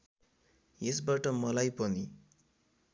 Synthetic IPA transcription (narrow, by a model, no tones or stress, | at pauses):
esbaʈʌmʌlajpʌni